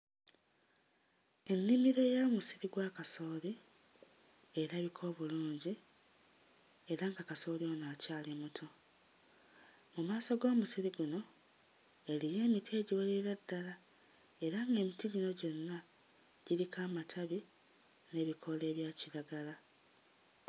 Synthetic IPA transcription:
e̞nːimiɾe̞jamusiɾiɡwaːkaso̞ːli | e̞ɾaβikʰo̞ːβuluːɲɟi | e̞ɾaŋɡaːkaso̞ːlio̞ːnaːcaːlimutʰo̞ | mumaːso̞ɡo̞ːmusiɾiɡuno̞ | e̞lije̞ːmitʰie̞ːɟiweliiɾadːala | e̞ɾaŋɡe̞ːmitiɟino̞ɟo̞nːa | ɟ̥iɾikʰaːmatʰaβi | ne̞βikʰo̞le̞ːβjaːciɾaɡala

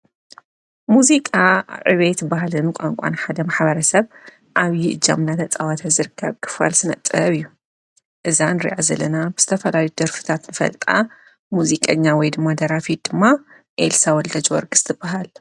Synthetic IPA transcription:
muzikʼaʕɨ̰βet̪baɦalɨnkʷʼa̰ŋkʷʼa̰nħad̪ɐmaħbɐɾɐsɐβ | ʔaβjiʔɨd͡ʒa̰mnat̪ʰɐt͡sʼawat̪ʰazɨɾɨkʰːɐβkʰɨ̥fa̰lsɨnɐ̰t̪ʼɨβɨjːu | ʔɨzanɾḭʕazɐ̰lɐnabɨz̥ɨ̥t̪ʰɐfɐlajud̪ɐɾfɨ̥t̪ʰat̪nɨfɐ̰lt̪ʼa̰ | muzikʼɐɲːawɔjd̪ɨmːad̪ɐɾafit̪̚d̪̥ɨmːa | ʔelsawɔld̪ɐd͡ʒwɔ̰ɾɡɨst̪ʰɨbaɦal

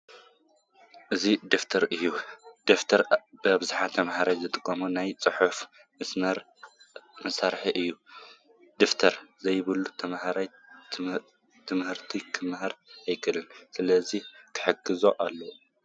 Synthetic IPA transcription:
ʔɨzid̪ift̪ʰɐɾɨjːud̪̥eft̪ʰɐɾbɨabɨzaħat̪ʰɐmhaɾajzɨt̪ʼɨkʼːɐmunajt͡sʼɨħuf | mɨsnɐɾ | mɐsaɾħiʔɨjːu | d̪ift̪ʰɐɾzɐjβɨlut̪ʰɐmhaɾaj | t̪ʰɨmhɨɾt̪ʰikʰɨmɦaɾajkʰɨlɨnsɨlɐzikʰɨ̥ħɨɡɨzo̞ʔalːɐ

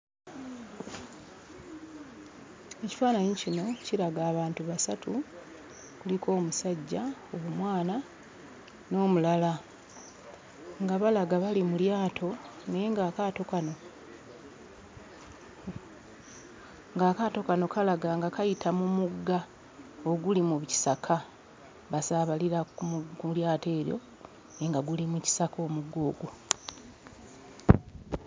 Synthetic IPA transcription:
e̞ci̥faːnaɲiicino̞ciɾaɡaːβaːntuβasatu | kulikʰo̞ːmusaɟːaoβumwaːna | no̞ːmulala | ŋɡaβalaɡaβalimuljaːtʰo̞nejeŋɡaːkatokano̞ | ŋɡaːkato̞kano̞kalaɡaŋɡakajitʰamumuɡːa | o̞ɡulimuβci̥sakʰa | βasaβaliɾakuljaːte̞ːɾjo̞̰ | neŋɡaɡulimuci̥sakʰo̞ːmuɡːo̞ːɡu

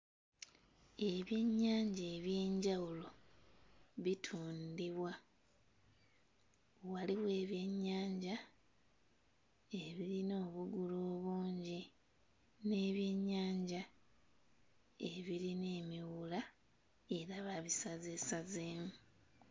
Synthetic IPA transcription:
e̞βje̞ɲːaːɲɟeːβje̞ːɲɟawulo̞ | βitʰuːndiβwa | waliβwe̞ːβje̞ɲːaːɲɟa | e̞βiɾino̞ːβuɡuloːβuːɲɟi | ne̞ːβje̞ɲːaːɲɟa | e̞βiɾine̞ːmiwula | e̞ɾaβaβisaze̞sazeːmu

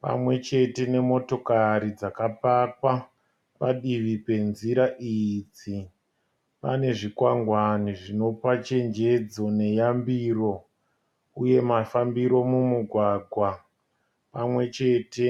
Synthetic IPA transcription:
pa̰mwe̞t͡ʃe̞te̞ne̞mo̞to̞kaɾid͡zakapakwa | paɗiʋipe̞nziɾaʔid͡zi | pane̞ʐikwaŋɡwaniʐino̞pat͡ʃe̞nd͡ʒe̞d͡zo̞ne̞jambiro̞ | uje̞mafambiɾo̞mumuɡʱwaːɡʱwa | pamwe̞t͡ʃe̞te̞

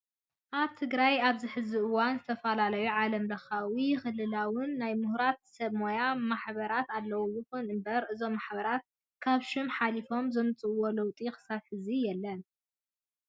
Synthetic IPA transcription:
ʔaβt̪ʰɨɡɾajaβzɨħɨziʔɨwanzɨt̪ʰɐfɐlalɐjuʕalɐmlɐxawixɨlːɨlawɨnːajmɨhɾat̪sɐβmojamaħbɐɾat̪alːɐwojɨxunɨmbɐɾʔɨzo̞mːaħbɐɾat̪̚ | kʰaβʃɪmħalifo̞mzɨmɨt͡sʼɨwo̞lɐwt̪ʼixɨ̥saβħɨzijɛlːɐn

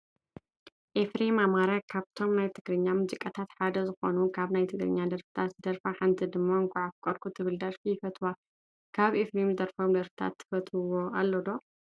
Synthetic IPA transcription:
ʔefɾimamaɾɐkʰaβt̪ʰo̞mnajt̪ʰɨɡɾɨɲːamuzikʼɐt̪ʰat̪ħad̪ɐzɨxo̞nukʰaβnajt̪ʰɨɡɾɨ̰ɲːad̪ɐɾfɨ̥t̪ʰat̪zɨd̪ɐɾfaħant̪ʰid̪ɨmːaŋkʰʼuʕafkʷʼɐɾkʰut̪ʰɨβɨld̪ɐɾfijɪfɐt̪ʰwa | kʰaβefɾimzɨd̪ɐɾfomd̪ɐɾfɨ̥t̪ʰa̰t̪ʰːɨ̥fɐt̪ʰɨwo̞alːod̪o̞

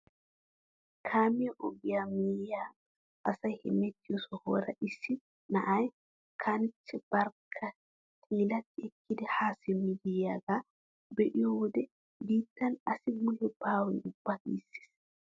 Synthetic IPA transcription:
kʰaːmɪjɛʔɔɡɪjamijaː | ɐsɐjhɛ̰mɛt̪ːɪjɔsɔhoːɾɐʔɪsːɪ | nɐʔaj | kʰanɪt͡ʃːɛb̥ɐɾkʰːɐ | t̪ʰiːlɐt̪ːɪɛkːɪd̪ɛhaːsɪmɪdɪjaɡa | bɛʔɪjɔd̪ɛ | biːt̪ːɐnɐsɪɡʊlːʊbaːwɛnʊb̥ːakḭːsɪ̥s

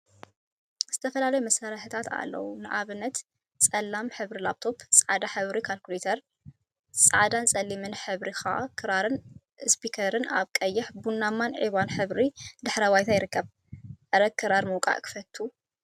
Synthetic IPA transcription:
z̥ɨt̪ʰɐfɐlalɐjumɐsaɾɐħɨt̪ʰat̪a̰lːɐ̰wunɨʔaβɨnːɐt̪ | t͡sʼɐlːamħɨβɾilaβ̚t̪ʰo̞psʼaʕad̪aħɨβɾikʰalkulet̪ʰɐɾ | sʼaʕd̪ant͡sʼɐlːimɨnħɨβɾixa̰ʔkʰɨɾaɾɨn | spikʰɐɾɨna̰βkʼɐjːɪħbunːamːanʕiβanħɨβɾid̪ɨħɾɐwajt̪ʰajɪɾɨkːɐβ | ʔɐɾɐɡ̚kʰɨɾaɾmowkʼa̰ʔkʰɨ̥fɐt̪ʰːu

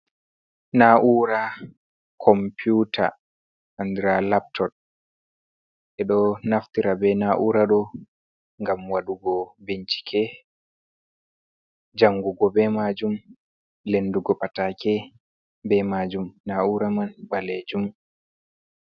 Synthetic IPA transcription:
naʔuɾa | kʰɔmpjutʰa̰ | andɾalap̚tʰɔt̚ | ʔɛɗɔnaftiɾabɛnaʔuɾaɗɔ | ŋɡamwaɗuɡɔbeɲt͡ʃi̥kʰɛ | d͡ʒaŋɡuɡɔbɛmad͡ʒum | lenduɡɔpatakɛ | bɛmad͡ʒumnauɾamanɓaled͡ʒum

